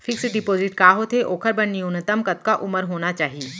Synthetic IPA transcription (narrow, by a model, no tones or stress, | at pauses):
fʰɪksɖɪpoːzɪʈkaːɦot̪ʰeʔoːkʰəɾbɐnːiʊnət̪əmkɐt̪̚kaʔʊməɾɦoːnat͡ʃaːɦie